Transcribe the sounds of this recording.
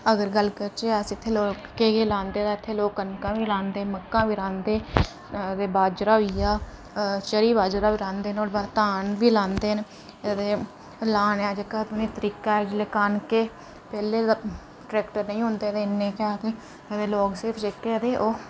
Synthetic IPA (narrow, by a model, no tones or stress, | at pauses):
əɡəɾɡəlkəɾt͡ʃesiɪt̪ʰːeːloːkkeːɡeːlãːnd̪eːt̪ãːɪt̪ʰːeːloːkːənkãːʋiːlãːnd̪eːməkːãːʋiːɾãːnd̪eː | d̪eːbaːd͡ʒɾaːɦʊijaː | t͡ʃəɾiːbaːd͡ʒɾaːʋiːɾãːnd̪eːnoːɾbat̪aːnbiːlãːnd̪eːn | d̪eː | laːnaːd͡ʒekːaːt̪oneːt̪əɾiːkaːd͡ʒlekaːnkeː | pɛːleː | ʈɾɛːkʈəɾnəĩːɦʊnd̪eːd̪eɪnːeːkaːkeː | d̪eːloːkseɾpʰd͡ʒekːeːəd̪eːʔoː